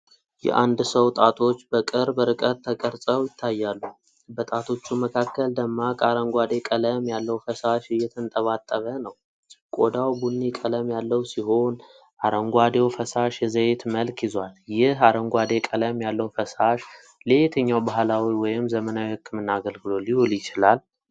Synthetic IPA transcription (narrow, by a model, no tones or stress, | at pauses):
jɛ̰ʔand̪səwt̪ʼat̪ʰo̞t͡ʃːbəkʼɨɾbəɾɨkʼət̪t̪ʰːəkʼəɾsʼəwjɪt̪ʰːajːalːu | bət̪ʼat̪ʰo̞t͡ʃːuməkʰakːəld̪əmːakʼaɾəŋɡʷad̪e̞kʼələmjalːəwfəsaʃɨjːɛt̪ʰənt̪ʼəβat̪ʼːəβənəw | kʼod̪awbunːikʼələmjalːəwsiɦo̞n | ʔaɾəŋɡʷad̪ewfəsaʃjɛzəjet̪məlkjɪzwaljɪɦaɾəŋɡʷad̪ekʼələmjalːəwfəsaʃ | let̪ʰəɲːawbahlawiwɔjɪmzəmənawihɨkːɨmɨnːaːɡəlɡɨlo̞liholjɪt͡ʃɪlal